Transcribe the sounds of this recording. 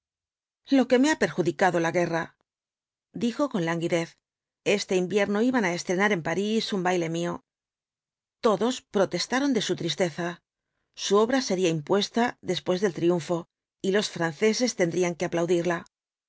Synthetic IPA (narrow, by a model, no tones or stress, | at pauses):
lo̞ke̞me̞ape̞ɾxuðikaðo̞laɣe̞ra | d̪ixo̞ko̞nlaŋɡiðe̞θ | e̞st̪e̞imbje̞ɾno̞iβanae̞st̪ɾe̞naɾe̞mpaɾisumbajle̞mio̞ | t̪o̞ðo̞spɾo̞t̪e̞st̪aɾo̞nd̪e̞sut̪ɾist̪e̞θa | suo̞βɾase̞ɾiaimpwe̞st̪aðe̞spwe̞zðe̞lt̪ɾiuɱfo̞ | ilo̞sfɾanθe̞se̞st̪e̞nd̪ɾiaŋke̞aplawðiɾla